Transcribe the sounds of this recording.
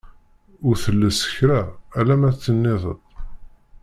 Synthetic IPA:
ʊɾθəlːəsə̥çɾæælæmæt͡sːənːɪðˤə̰d̪ˤ

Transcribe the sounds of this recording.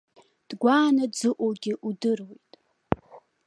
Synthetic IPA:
d̥ɡʷaːnad͡zɨʔʷʼoɡʲɪʔudɨrwejtʼ

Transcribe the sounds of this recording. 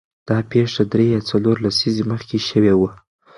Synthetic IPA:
d̪̥ɑpeʂad̪ɾejɑt͡saloɾlasizeməxkeʃəwewə

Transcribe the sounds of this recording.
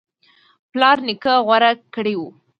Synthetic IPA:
plɑɾnɪkəɣwaɾakəɽewu

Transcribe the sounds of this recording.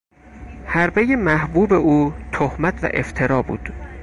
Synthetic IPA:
hæɾbeje̞mæhbuːbe̞ʔuːt̪ʰohmæt̪ʰvæ̰ʔe̞̰ft̪ʰeɾɒːbṵːd̪̥

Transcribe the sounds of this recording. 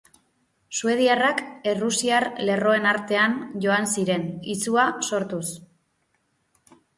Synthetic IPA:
sue̞ð̞iarake̞rusiaɾle̞ro̞e̞naɾt̪e̞anʝo̞ansiɾe̞nit͡suaso̞ɾt̪us

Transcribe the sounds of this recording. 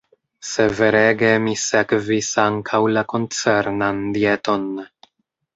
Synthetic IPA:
se̞ve̞ɾe̞ɡe̞misekvisaŋkʰawlako̞nt͡se̞ɾnandie̞to̞n

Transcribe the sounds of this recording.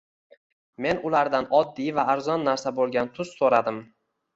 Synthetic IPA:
me̞nʊlaɾd̪anɒd̪ːijvaːɾzɒnːaɾsabolˠɡʲant̪ʰʊz̥soɾad̪ɪm

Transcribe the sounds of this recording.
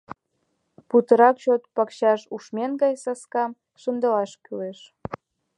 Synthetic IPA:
put̪ə̆ɾɑkt͡ɕot̪̚pɑkɕɑʃuʃmenɡɑjsɑskɑm | ʃənd̪ə̆lɑʃkyleʃ

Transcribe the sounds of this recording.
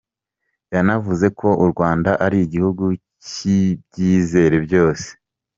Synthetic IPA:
janavuze̞kʰo̞ʔuɾɡwaːndaʔaɾiiɟihuɡu | cib̚ɟiːze̞ːɾe̞bjo̞ːse̥

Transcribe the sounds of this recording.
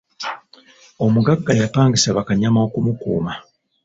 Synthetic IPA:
o̞muɡaɡːajapaːŋɡisaβakaɲamao̞kumukṵːma

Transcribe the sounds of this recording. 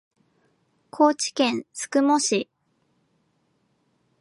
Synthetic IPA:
kʰo̞ːt͡ɕi̥kẽ̞ñsɨ̥kɯ̟moɕi

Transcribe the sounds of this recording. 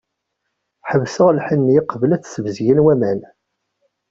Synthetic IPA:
ħəvsəʁlħənːjɪqəvəlæt͡sːsəvəzjənwæmæn

